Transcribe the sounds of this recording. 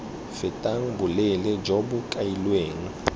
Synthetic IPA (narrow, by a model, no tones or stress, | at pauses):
fɪtʼaŋ̩bʊlɪlɛd͡ʒobʊkʼailweːŋ̩